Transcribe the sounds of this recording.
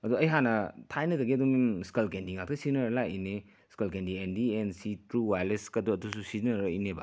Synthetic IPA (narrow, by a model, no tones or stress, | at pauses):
ɐduɐjɦanɐtʰajnɐkɐɡiɐdumskelkendiŋak̚tʰɐsinɐɾɐlaine | skelkendiendiensitɾuwajleskɐduɐdususiznɐɾɐḭneba̰